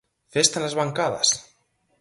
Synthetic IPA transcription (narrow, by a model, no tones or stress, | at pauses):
fest̪anazβaŋkaðɐ̰s